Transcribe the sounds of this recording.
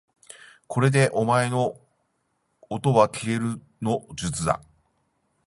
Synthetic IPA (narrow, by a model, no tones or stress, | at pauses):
kʰo̞ɾe̞d̪e̞ʔo̞mae̞no̞ | t̪o̞βakʲiɾe̞ɾɯ̟ | no̞d͡ʑɨt͡sɨd̪a̰